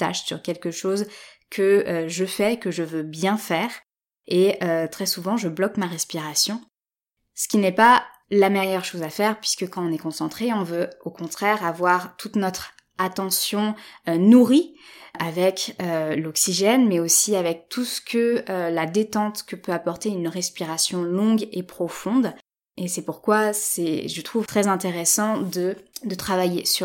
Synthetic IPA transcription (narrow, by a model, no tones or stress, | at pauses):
t̪a̰ʃsyʁkʲɛlkəʃozkʰəøʒəfɛːkəʒəvøbjɛ̃fɛːʁ | eøt̪χɛsuvɑ̃ʒəblɔkmaʁɛspiʁasjɔ̃ | sə̥kʲinɛpalamɛjœʁʃozafɛʁpɥiskəkɑ̃ɔ̃nɛkɔ̃sɑ̃t̪χeɔ̃vøokɔ̃t̪χɛʁavwaʁt̪ʰut̪nɔt̪χ | at̪ɑ̃sjɔ̃nuʁiavɛkølɔksiʒɛnmɛosiavɛk̚t̪ʰusə̥kʰəlad̪et̪ɑ̃t̪kəpøapɔʁt̪eynʁɛspiʁasjɔ̃lɔ̃ɡepχɔfɔ̃d̪ | esɛpuʁkwasɛʒət̪χuvt̪χɛzɛ̃t̪eʁɛsɑ̃d̪əd̪ət̪χavajesy